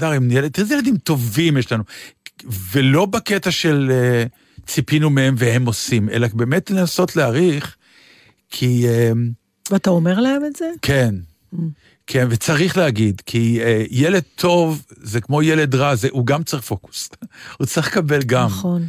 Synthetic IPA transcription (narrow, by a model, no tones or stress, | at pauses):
daʁimnjelt̪izejeled̪imto̞vimjeʃlanu | velo̞baket̪aʃe̞le | t͡sipinumeemvehe̞mo̞sime̞̰labe̞ːme̞tlenaso̞tleaʁiχ | kʰiem | veataomeʁlaemetzekʰen | kʰe̞nvet͡saʁiχleaɡid̪kʰiejele̞d̪̚t̪ʰo̞vzekmo̞jele̞dʁazeʔuɡamt͡sʁiχfo̞ku̥shut͡sʁiχlkabe̞lɡamχon